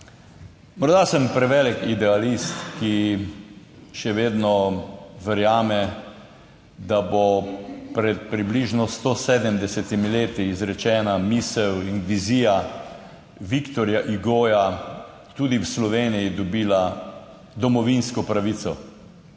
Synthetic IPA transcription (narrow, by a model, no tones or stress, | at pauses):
mɔɾd̪asəmpɾɛʋɛlɛkid̪ɛalist̪ki | ʃɛʋeːd̪nɔʋɛɾjaːmɛ | d̪abopɾɛt̪̚pɾibliʒnɔst̪oseːd̪əmd̪ɛsɛt̪imileːt̪iːzɾɛt͡ʃɛːnamisɛwinʋizija | ʋikt̪ɔɾjaʔiɡoːja | t̪uːd̪iwslɔʋeːnijid̪ɔbiːla | d̪ɔmɔʋinskɔpɾaʋit̪sɔ